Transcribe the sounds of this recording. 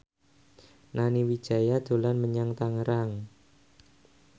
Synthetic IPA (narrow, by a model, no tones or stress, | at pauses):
naniwid̥ʒ̥a̤jad̪̥o̤lanməɲaŋt̪aŋəɾaŋ